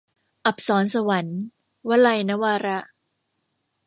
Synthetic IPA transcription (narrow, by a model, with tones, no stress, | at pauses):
ʔa˨˩p̚sɔː˩˦nsa˧wa˩˦n | wa˦˥la˧jna˦˥waː˧ɾa˦˥